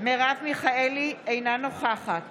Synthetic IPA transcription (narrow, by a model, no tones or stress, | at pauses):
meʁavmiχaeliejnanoχaχat